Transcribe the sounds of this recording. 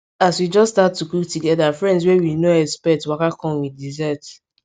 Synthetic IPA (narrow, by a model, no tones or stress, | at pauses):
aswid͡ʒɔstatːukuktuɡɛdafɹɛ̃nds̬wɛwinoɛspɛtwakakɔ̃nwidizɛt